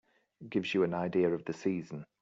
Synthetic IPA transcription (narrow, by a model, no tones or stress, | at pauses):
ɡ̥ɪvzjəə̃naɪdiəɹəvðəsiːzə̃n